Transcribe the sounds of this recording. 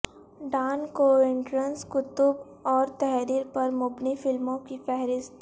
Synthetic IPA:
ɖaːnkoɪ̃ɳʈɾə̃nskʊt̪ʊb | ɔːɾt̪ɛɦɾiːɾpɐɾmʊbnifɪlmõkifɛɦɾɪst̪

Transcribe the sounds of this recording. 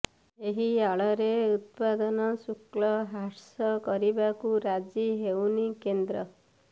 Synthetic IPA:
eɦiaɭɔɾeut̪̚pad̪ɔnɔsuklɔɦaɾsɔkɔɾibakuɾad͡ʒiɦewnikend̪ɾɔ

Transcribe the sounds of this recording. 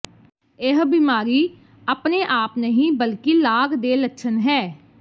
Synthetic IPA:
ɪɦbimaːɾiː | aːpneːʔaːpnəɦĩːbəlkilaːɡd̪eːlətːʃʰənɦɛː

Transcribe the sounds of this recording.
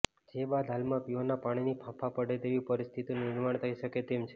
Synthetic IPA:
d͡ʒebad̪ʱɦalmãpionapaɽ̃inipʰãpʰapəɽet̪eʋĩpəɾist̪ʰit̪ĩnɪɾmaɳt̪ʰəiʃəket̪emt͡ʃʰe

